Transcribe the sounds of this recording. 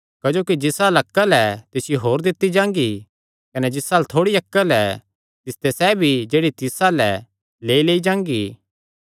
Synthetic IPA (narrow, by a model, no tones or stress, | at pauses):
kɐd͡ʒoːkid͡ʒɪsaːlɐkːalɛt̪ɪsjoɦoːɾd̪ɪt̪ːid͡ʒãːŋ̆ɡi | kɐnɛd͡ʒɪsaːlt̪ʰoːɽiɐkːəlɛ | t̪ɪst̪ɛsɛbʱid͡ʒeːɽit̪ɪsalɛ | leːileːid͡ʒãːŋɡiː